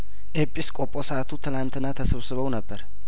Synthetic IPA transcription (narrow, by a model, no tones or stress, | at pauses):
ʔepʼːiskʼo̞pʼːo̞sat̪ʰut̪ʰɨlant̪ʰɨnːat̪ʰəsɨβsɨβəwnəbːəɾ